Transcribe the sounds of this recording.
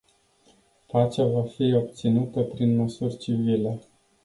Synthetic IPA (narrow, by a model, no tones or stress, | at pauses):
pat͡ʃavafio̞b̚t̪sinut̪əpɾinməsurʲt͡ʃivile̞